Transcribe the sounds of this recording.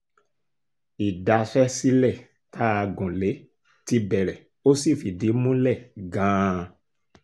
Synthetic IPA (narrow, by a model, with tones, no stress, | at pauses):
i˨da˨˧fɛ˦si˦lɛ˦˨ | tʰa˦a˧ɡũ˨le˨˦ | ti˧bɛ˨ɾɛ˨ | o˦si˦˨fi˨di˨˦mũ˦lɛ˦˨ɡã˨˦